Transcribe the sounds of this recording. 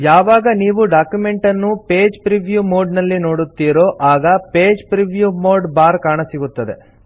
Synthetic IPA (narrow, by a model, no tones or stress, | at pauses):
jaːʋaːɡɐniːʋuɖaːkjume̞ɳʈɐnːupe̞ːd͡ʒpɾiʋjuːmoːɖnɐlːino̞ːɽut̪ːiːɾoːʔaːɡɐpe̞ːd͡ʒpɾiʋjuːmoːɖbaːɾkaːɳɐsiɡut̪ːɐd̪ḛ